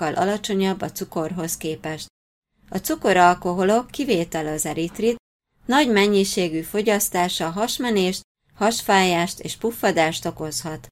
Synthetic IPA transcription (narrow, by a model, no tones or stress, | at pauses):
ɒlʔɒ̰lɒt͡ʃo̞ɲɒbːɒt̪suko̞rɦo̞skeːpɛʃt̪ | ɒt̪suko̞ɾɒlko̞ɦo̞lo̞kːiveːt̪ɛlɒzɛɾit̪rit̪̚ | nɒɟmɛɲːiʃeːɡyfo̞ɟɒst̪aːʃɒɦɒʃmɛneːʃt̪ | hɒʃfaːjaːʃt̪ḛːʃpufːɒd̪aːʃt̪o̞ko̞shɒt̪